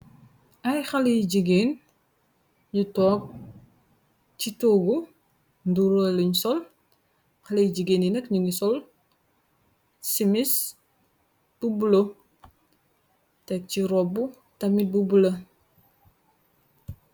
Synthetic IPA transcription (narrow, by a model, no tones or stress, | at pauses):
ʔɐjxɐlijɟiɡeːn | ɲutɔːk̚ | citoɡu | nduɾoliɲsɔl | xɐlijɟiɡeːninɐkɲuŋisɔl | simis | b̥ubulo | tɛk̚ciɾɔbu | tɐmit̚bubulɐ